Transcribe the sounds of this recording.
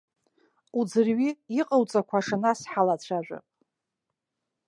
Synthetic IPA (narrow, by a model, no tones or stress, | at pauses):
ud͡zɨrɥiiqʼəwt͡sʼakʷʰaʂanasħalat͡ɕʷʰaʒʷa̰pʼ